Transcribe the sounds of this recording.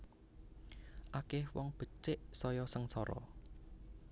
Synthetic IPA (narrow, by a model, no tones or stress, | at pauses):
ʔakɪhwɔŋb̥ə̤t͡ʃɪʔsɔjɔsəŋsɔɾɔ̰